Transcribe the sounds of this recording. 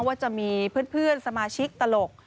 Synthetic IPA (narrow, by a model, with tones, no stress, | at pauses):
ŋwaː˥˩t͡ɕa˨˩miː˧pʰɯː˥˩npʰɯ˥˩ənsa˧maː˧t͡ɕʰi˦˥k̚t̪a˧lo˨˩k̚